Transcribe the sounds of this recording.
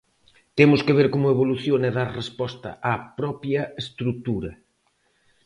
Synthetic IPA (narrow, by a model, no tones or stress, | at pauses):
t̪emʊskeβ̞eɾkomʊeβoluθjoneðaɾrespɔst̪ɐ̰ʔapɾɔpjɐest̪ɾut̪uɾɐ